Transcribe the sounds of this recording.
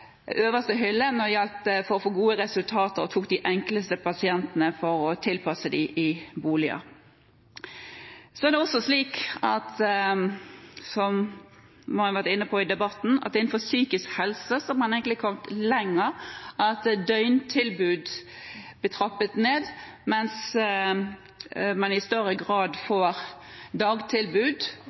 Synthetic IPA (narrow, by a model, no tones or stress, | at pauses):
øːʋəst̪əɦʏlːənɔjɑlt̪əfɔɾɔfoːɡuːəɾɛsʉlt̪ʰɑːt̪əɾɔt̪ʰuːk̚d̪ɪʔɛŋkləst̪əpʰɑsɪɛnt̪ənəfɔɾɔt̪ʰɪlpʰɑsəd̪ɪʔɪbuːlɪɑ̰ | sɔæʁd̪ɛɔsːɔsliːkɑt̪ | sɔm | hɑʋæʁʈ̪ɪnːəpʰɔɪd̪ɛbɑt̪ːn̩ɑ̰t̪ɪnn̩fɔɾsyːkɪskhɛlsəsɔɔmhɑnɛɪɡəɪkʰɔmt̪lɛŋːəɾʔɑt̪d̪œʏnt̪ʰɪlbʉːd̪ | b̥ət̪ʰɾɑpːət̪neːd̪ | mɛns | mɑnɪst̪œɾəɡɾɑːd̪foːɾd̪ɑːɡt̪ʰɪlbʉːd̪